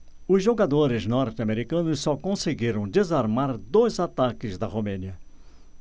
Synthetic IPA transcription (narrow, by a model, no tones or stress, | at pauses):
ʊzʒoɡad̪oɾɪznɔɾt̪ɪameɾikɐ̃nʊsːɔkõseɡiɾɐ̃w̃d̪ezaɾmaɾd̪ojzat̪akɪzd̪ɐʁomẽniɐ